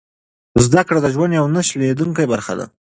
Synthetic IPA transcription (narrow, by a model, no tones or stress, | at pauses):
zd̪akɽad̪əʒwand̪jawnaʃled̪uŋkajbaɾxa̰d̪a̰